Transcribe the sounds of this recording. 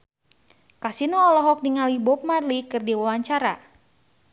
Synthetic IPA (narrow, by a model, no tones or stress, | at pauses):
kasinɔːlɔɦɔk̚diŋalibɔp̚marlikɨrdiwawaɲt͡ʃaɾa